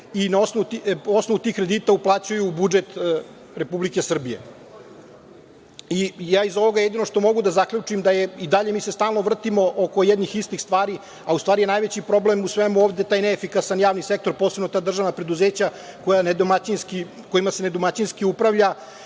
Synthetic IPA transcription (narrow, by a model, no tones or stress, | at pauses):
inao̞snout̪io̞snoʋut̪iːxkɾe̞d̪iːt̪auplˠaːt͡ɕujuːbud͡ʒet̪ | ɾe̞publike̞sr̩bije̞̰ | ijaːizo̞ʋo̞ɡajed̪ino̞ʂt̪o̞mo̞ɡud̪azakʎut͡ʂimd̪ajeid̪aʎemiːsest̪aːlˠno̞ʋr̩t̪imo̞ʔokojɛd̪nixist̪ixst̪ʋaːɾi | aust̪ʋaːɾijenaːjʋet͡ɕipɾo̞blemusʋemuoːʋd̪et̪aːjneːfikasanjaːʋnise̞k̚t̪o̞ɾpoːsebnot̪aːd̪rʒaʋnapɾe̞d̪uzeːt͡ɕakojaned̪omat͡ɕinski | ko̞jimasened̪omat͡ɕinskiupɾaʋʎa